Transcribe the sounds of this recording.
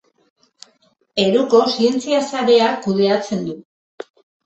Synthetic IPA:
e̞ɾuko̞sie̞nt͡siasaɾe̞akuð̞e̞at͡se̞nd̪u

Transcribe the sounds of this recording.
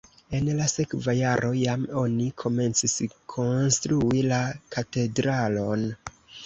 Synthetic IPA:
e̞nlase̞kvajaɾʔo̞jamo̞nikʰo̞me̞nt͡siskʰo̞nstɾuilakate̞dɾalo̞n

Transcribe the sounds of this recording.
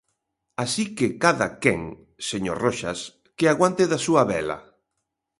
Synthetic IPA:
asikekaða̰kɛŋ | seɲo̰ɾroʃas | keaɣwant̪eðasuaβɛla̰

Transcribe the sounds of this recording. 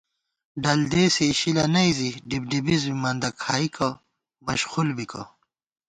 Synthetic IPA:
ɖɐld̪esiːɕilɐnɐiziɖib̚ɖibizmimɐnd̪ɐkʰaːikʰɐ | mɐɕxulbikɐ̰

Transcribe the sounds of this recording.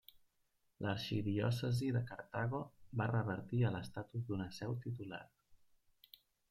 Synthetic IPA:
lʔəɾʃiðiɔ̰səziðəkəɾt̪aɣ̞oβarəβəɾt̪iələst̪at̪uzd̪unəsɛwt̪it̪ula̰ɾ

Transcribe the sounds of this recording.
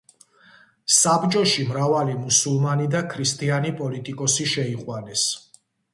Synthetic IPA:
sabt͡ʃʼɔʃimɾavalimusulˠmanid̪akʰɾist̪ʼianipʼɔlit̪ʼikʼɔsiʃɛiχʼwanɛs

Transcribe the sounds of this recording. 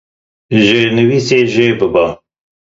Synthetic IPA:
ʒenɨwiseʒebɨba

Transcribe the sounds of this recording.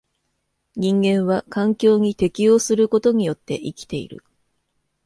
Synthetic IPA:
ɲ̟ĩŋɡẽ̞ɰ̃β̞akãŋkʲo̞ːɲ̟it̪e̞kʲijo̞ːsɨɾɯ̟ko̞t̪o̞ɲ̟ijo̞t̪ːe̞ʔikʲi̥t̪e̞ḭɾɯ̟̰

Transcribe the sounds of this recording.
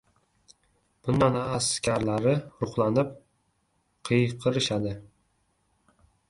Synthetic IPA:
b̥ʊnd̪anaskʲʰaɾlaɾɪɾʊχlˠanɪp̚ | qʰɨjqʰɨɾɪʃad̪ɪ

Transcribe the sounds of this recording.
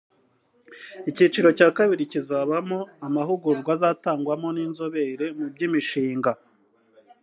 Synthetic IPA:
icit͡ʃiɾo̞caːkaβiɾicizaːβamo̞amaɦuɡuɾɡwazaːtaːŋɡwamo̞niːnzo̞βeɾe̞mub̚ɟiːmiʃiːŋɡa

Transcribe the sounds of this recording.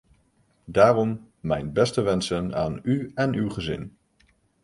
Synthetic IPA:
daːrɔmː | ɛjnbɛstəʋɛnsəna̰ːnyɛnywχəzɪ̰n

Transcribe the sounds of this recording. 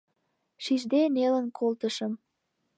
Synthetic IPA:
ʃiʒd̪enelənkʰolt̪əʃəm

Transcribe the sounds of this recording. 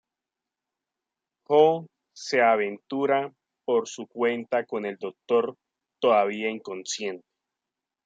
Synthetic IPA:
xo | se̞aβ̞e̞nt̪uɾa | po̞ɾsukwe̞nt̪ako̞ne̞ld̪o̞k̚t̪o̞ɾ | t̪oðaβ̞iaiŋko̞nsje̞nt̪e̥

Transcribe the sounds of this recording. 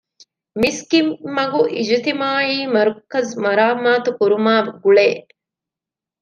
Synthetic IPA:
miskimːɐɡuʔid͡ʒit̪imaːiːmɐɾukːɐzmɐɾaːmaːt̪ukuɾumaːɡuɭeː

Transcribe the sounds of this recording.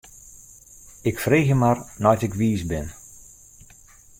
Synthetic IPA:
ɪkfreːɣjəmarnɔjtɪkʋiːsbɪn

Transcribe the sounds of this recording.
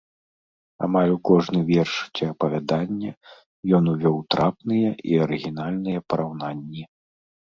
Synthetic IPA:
a̰malʲukɔʐnɨvʲɛrʂt͡sʲiɐpɐvʲad̪anʲːɐ | jɔnuvʲɔwt̪ɾʔapnɨjɐʔiɐɾɨɣʲinalʲnɨjɐpɐɾawn̪anʲːi

